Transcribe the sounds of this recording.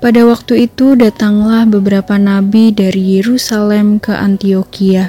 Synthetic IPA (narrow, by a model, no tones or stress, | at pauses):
padawak̚t̪uit̪udat̪aŋlahbəbəɾapanabidaɾijeɾusalɛmkəʔa̰nt̪iokia